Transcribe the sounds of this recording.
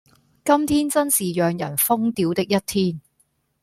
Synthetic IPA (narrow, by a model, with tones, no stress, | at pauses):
kɐ˥mt̪ʰiː˥nt͡sɐ˥nsiː˨jœː˨ŋjɐ˨˩nfʊ˥ŋt̪iː˨˥wt̪ɪ˥k̚jɐ˥t̚t̪ʰiː˥n